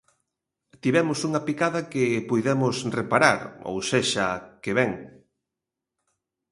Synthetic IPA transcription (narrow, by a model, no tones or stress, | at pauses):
t̪iβɛmʊsuŋɐpikaðɐkepujðɛmʊsrepaɾa̰ɾo̰wseʃakeβɛŋ